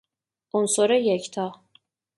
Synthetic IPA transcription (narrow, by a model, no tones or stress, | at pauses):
onsoɾajɛct̪ʰa